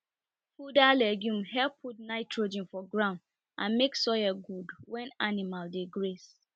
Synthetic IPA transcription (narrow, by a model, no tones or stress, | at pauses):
fudalɛɡjũmhɛlpʰːut̚naɪtʰɹod͡ʒĩnfɔɡɹãʊnd | ʔã̰nmeksɔjɛɡudwɛ̃nanimaldeɡɹes